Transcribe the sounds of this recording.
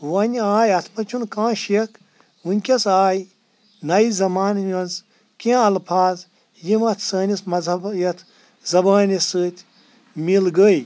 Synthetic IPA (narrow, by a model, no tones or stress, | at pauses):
ʋɐnʲaːjɐt̪ʰpɐt͡ʃʰunkãːʃik | unʲkʲɐsaːj | nɐizɐmaːnjɐnz | kʲẽɐlpʰaːz | jimɐt̪ʰsəːnʲismɐzɐbjɐt̪ʰ | zɐbaːnʲisɨːt̪ʲʰ | milɡəj